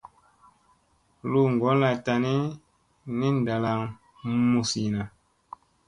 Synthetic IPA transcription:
lu˦˨ŋ˨ɡɔ˨˦nla˨ta˨ni˦ | ni˦n˨da˨la˨ŋ | mu˨si˨na˨

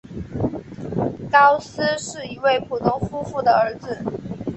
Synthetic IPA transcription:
kɑ˥ʊs̩˥ʂɻ̩˥˩i˧˥we˥˩ɪpʰu˨˩t̪ʰʊ˥ŋfu˥fu˥˩d̪ə˩ə˞˧˥d͡zɹ̩˧

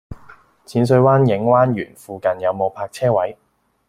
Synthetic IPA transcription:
t͡sʰiː˨˥ns̬ɵ˧ɥwaː˥njɪ˨˥ŋwaː˥nɥy̰ː˨˩nfuː˨˧kɐ˨njɐ˨˧wmo˨˧wpʰaː˧k̚t͡sʰɛː˥wɐ˨˥j

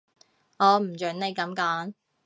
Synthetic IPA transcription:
ɔː˨˧m̩˨˩t͡ʃœː˨˥nne˨˧jkɐ˨˥mkaː˨˥n

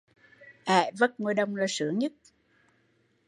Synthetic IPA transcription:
ʔaː˨˧˩və˦˥t̚ŋo˧jɗə˧wŋ͡mlaː˨˩sɨ̰˧˦əɲɨ˦˥t̚

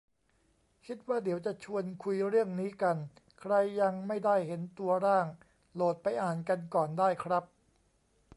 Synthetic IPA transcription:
kʰi˦˥t̪̚waː˥˩di˨˩˦wt͡ɕa˨˩t͡ɕʰu˧ənkʰu˧jɾɯ˥˩əŋniː˦˥ka˧n | kʰɾa˧jːa˧ŋma˥˩jda˥˩jhe˩˦nt̪u˧ɐɾaː˥˩ŋ | loː˨˩t̪̚pa˧jʔaː˨˩nka˧nkɔː˨˩ndaː˥˩jkʰɾa˦˥p̚

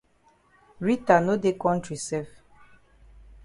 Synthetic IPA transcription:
ɹi˦ta˨no˦de˦kɔ̃˦ntɾi˨sɛ˦f

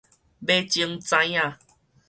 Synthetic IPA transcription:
be˦t͡ɕji˧ŋt͡sã˧˦ja˧˨

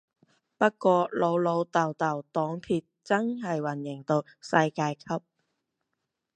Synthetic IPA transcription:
pɐ˥t̚kʷɔː˧lo˨˧wlo˨˧wt̪ɐ˨˩wt̪ɐ˨˩wt̪ɔː˨˥ŋpʰiː˧t̚t͡sɐ˥ŋɦɐ˨jwɐ˨˩njɪ˨˩ŋt̪o˧wsɐ˧jkaː˧jkʰɐ˥p̚

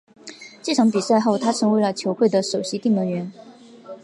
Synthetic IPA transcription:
t͡ɕi˥˩ʈ͡ʂʰɑ˧˥ŋpi˨˩sa˥˧ɪxo˥˩ʊt̪ʰa˥ʈ͡ʂʰɤ˧˥ŋwe˧˥ɪlə˨t͡ɕʰjo˧˥ʊxwe˥˩d̪ə˩ʂo˨˩ʊɕi˧˥t̪i˥˩ŋmə˧˥ŋɥɛ˧˥n

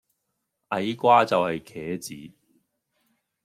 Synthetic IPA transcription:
ʔɐ˨˧jkʷaː˥t͡sɐ˨whɐ˨jkʰɛː˨˥t͡siː˨˥

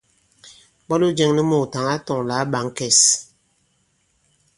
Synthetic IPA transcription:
bɔ˦lu˦d͡ʒɛ˦ŋni˦mo˨ta˨ŋa˦tɔ˨ŋla˨˦ɓa˨˦ŋ˦kɛ˨s

